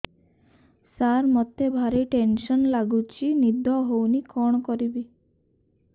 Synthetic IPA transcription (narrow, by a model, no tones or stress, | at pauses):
saɾmɔt̪ebʱaɾiʈenʃɔnlaɡut͡ʃʰinid̪ʱɔɦownikɔɳ̃ɔkɔɾibi